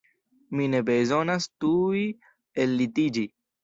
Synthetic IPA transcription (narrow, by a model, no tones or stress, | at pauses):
minebezonast̪ui | elːit̪id͡ʒi